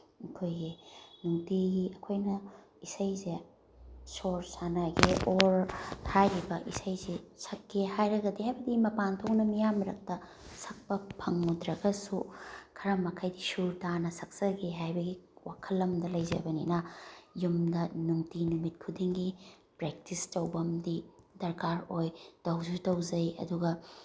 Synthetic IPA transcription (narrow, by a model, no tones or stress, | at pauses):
kʰojɡinuŋtiɡiɐkʰojnɐ | isɐjze | soɾsanɐɡeoɾhajɾibɐʔḭsɐjzesɐkːehajɾɐɡɐdiɦajbɐdimɐpantʰok̚nɐmijamɾɐk̚tɐ | sɐk̚pɐpʰɐŋːudɾɐɡɐsukʰɐɾɐmɐkʰɐjdisuɾdanɐsɐk̚sɐɡiɦajbɐɡiwakʰɐlːɐmdɐlɐjzɐ̰bɐnḭnɐjumdɐnuŋtinumit̚kʰudiŋɡi | pɾek̚tistɐwbɐmdidɐɾkaɾojd̥ɐwzutɐwzɐjɐ̰duɡɐ